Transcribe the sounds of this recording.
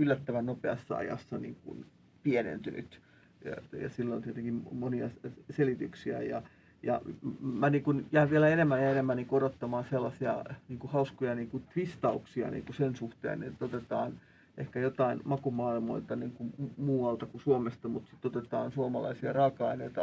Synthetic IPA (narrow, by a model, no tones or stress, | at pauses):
ylːæt̪ːæʋænnopeɑ̰sːɑ̰ɑ̰jɑ̰sːɑnḭːŋkṵn | pienḛnt̪yny̰t̪ | jɑ̰silːont̪iet̪eŋkimmoniɑselit̪yksiæjɑ̰ | jɑ̰mæniːŋkunjæiʋʋielæenemːænjɑenemːæniŋkuoɾot̪ːɑmɑːnselːɑsiɑ̰niːŋkuhɑuskojɑniːŋkut̪ʋist̪ɑuksiɑ̰nḭːŋkusensuht̪ḛːnḛt̪ːot̪et̪ɑ̰ːn | ʔehkæjot̪ɑinmɑkumɑːilmoilt̪ɑniːŋkummuːɑlt̪ɑkusuomest̪ɑmut̪sit̪ːot̪et̪ɑːnsuomɑlɑ̰isiɑrɑːkɑineit̪ɑ